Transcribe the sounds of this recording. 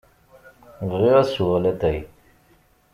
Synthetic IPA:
vʁiʁæsuʁlæt̪æj

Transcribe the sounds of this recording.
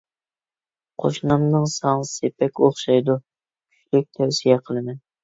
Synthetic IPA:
qʰo̰ʃnɑmnɨŋsɑŋsepʰɛkʲoχʃɑjd̪u | kʲʰy̥t͡ʃʰlyk̚ʲt̪ʰɛwsijɛqʰəlˠɨmɛn

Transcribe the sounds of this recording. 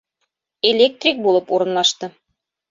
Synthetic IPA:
elʲek̚t̪rʲik̚bulˠɤpuɾɤ̆nlˠɑʃt̪ɤ

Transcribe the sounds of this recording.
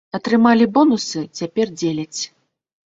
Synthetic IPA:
ɐt̪ɾɨmalʲibɔnusɨt͡sʲapʲɛrd͡zʲelʲɐt͡sʲ

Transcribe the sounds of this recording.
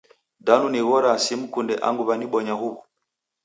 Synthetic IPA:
danuniɣɔɾasim̩kundɛʔa̰ŋɡuβaniɓɔɲaɦuβɔ

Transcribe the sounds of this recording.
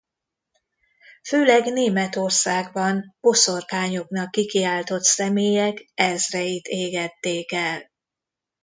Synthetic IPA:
føːlɛɡneːmɛt̪o̞rsaːɡbɒnbo̞so̞rkaːɲoknɒkːikiaːlt̪o̞t̪sɛmeːjɛkɛzrɛjit̪eːɡɛt̪ːeːkɛl

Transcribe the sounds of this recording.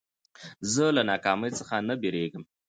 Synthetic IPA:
zəlanɑkɑməjt͡səxanabeɾeɡəm

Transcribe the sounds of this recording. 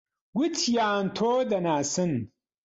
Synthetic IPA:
ɡut͡sʰjaːnt̪ʰoːd̪ɐnaːsɨn

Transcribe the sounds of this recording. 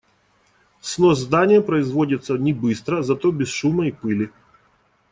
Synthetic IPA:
snozzd̪anʲɪjəpɾəɪzvo̞dʲɪt̪sənʲɪbɨst̪ɾəzɐt̪o̞bʲɪsʂuməipɨlʲɪ

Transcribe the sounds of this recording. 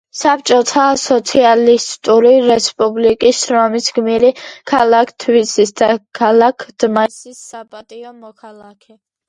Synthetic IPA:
sap̚t͡ʃʼɔt̪ʰasɔt̪sʰialist̪ʼuɾiɾɛspʼublikʼisːɾɔmisɡmiɾikʰalˠakʰt̪ʰvisisd̪̥akʰalˠakʰd̪̥masisːapʼat̪ʼiɔmɔkʰalˠakʰɛ

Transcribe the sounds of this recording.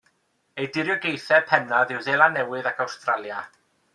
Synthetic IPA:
ejdɪɾjɔɡejθɛpʰɛnaðɪwðɛlˠanɛwɨðakʰawstralˠja

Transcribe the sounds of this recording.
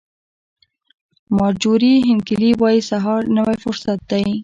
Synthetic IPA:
mɑd͡ʒuɾiɦɪnkɪliwɑjisaɦɑɾnəwajfʊɾsat̪̚d̪aj

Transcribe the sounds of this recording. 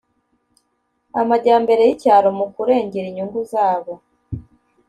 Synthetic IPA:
amaɟaːmbe̞ɾe̞jicaːɾomukuɾe̞ːɲɟeɾiɲuŋɡuzaːβo̞

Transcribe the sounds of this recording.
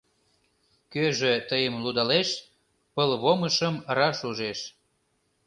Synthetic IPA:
køʒet̪əjəmlud̪ɑleʃ | pəlβoməʃəmrɑʃuʒeʃ

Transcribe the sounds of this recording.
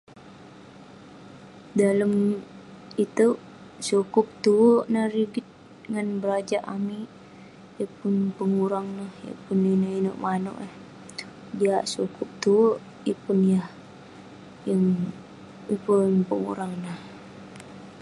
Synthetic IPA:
daləm | it̪u | sukʊp̚t̪uwoʔnaɾiɡɪt̪̚ | ŋanbəɾad͡ʒaʔami | jəpʊnpəŋuɾaŋnəhjə̰pʊninəino̰ʔmano̰ʔəh | diaʔsukʊp̚t̪uwoʔ | jəpʊnjah | jəŋ | jəpuŋpəŋṵɾaŋnəh

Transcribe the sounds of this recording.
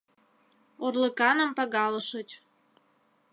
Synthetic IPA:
orləkɑnə̆mpɑɣɑləʃot͡ɕ

